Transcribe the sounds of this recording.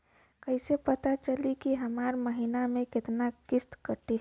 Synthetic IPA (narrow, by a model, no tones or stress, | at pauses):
kəɪsepət̪at͡ʃəlikiɦəmaːɾməɦinamẽkɪt̪nakɪst̪kəʈːi